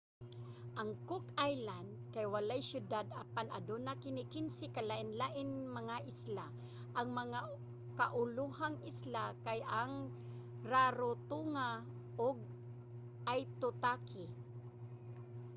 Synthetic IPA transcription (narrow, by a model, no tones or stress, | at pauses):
ʔaŋkʊkajland̪̚kajwalajsjʊd̪ad̪apanʔa̰d̪ʊnakɪnɪkɪnsɪkalaʔɪnlaʔɪnmaŋaʔɪsla | ʔaŋmaŋa | kaʔʊluhaŋʔɪslakajʔaŋ | ɾaɾʊt̪uŋa | ʔoɡ̚ | ʔajt̪ʊt̪akɪ